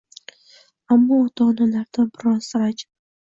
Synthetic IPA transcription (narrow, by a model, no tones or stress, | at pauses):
amːɒːt̪ʰɒnalaɾd̪abɪɾɒnsaɾad͡ʒ